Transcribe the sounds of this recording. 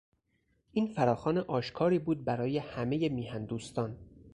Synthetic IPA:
ʔiːnfæɾɒːxɒːneʔɒːʃkʰɒːɾiːbuːd̪̚bæɾɒːje̞hæme̞je̞miːhænd̪uːst̪ɒːn

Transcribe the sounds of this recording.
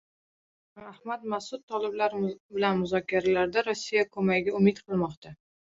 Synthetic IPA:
ahmat̪masʊt̪̚t̪ʰːɒlɪblaɾbɪlanmʊzɒkʲʰaɾalaɾd̪aɾosːijakʰɵmaɡɡʲaʊmɪt̪qʰɨlˠmɒqt̪ʰa

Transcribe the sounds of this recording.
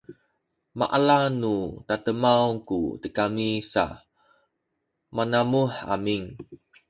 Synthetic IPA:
ma̰ʔalanut̪at̪əmawkṵt̪əkamisa̰ | manamuħa̰miŋ

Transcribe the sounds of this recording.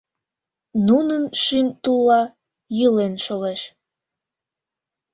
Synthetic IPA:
nunənʃimt̪ulːɑ | jəlenʃoleʃ

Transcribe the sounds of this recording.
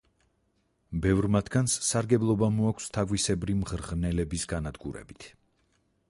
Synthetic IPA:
bɛvɾmat̪ʰɡ̥anssaɾɡɛblˠɔbamɔakʷʰst̪ʰaɡwisɛbɾimʁɾʁnɛlɛbisɡanad̪ɡṵɾɛ̰bit̪ʰ

